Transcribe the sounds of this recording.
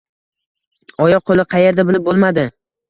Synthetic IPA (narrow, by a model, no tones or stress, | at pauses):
ɒjɒqʰolˠɪqʰɑje̞ɾd̪abɪlɪp̚bolˠmad̪ɪ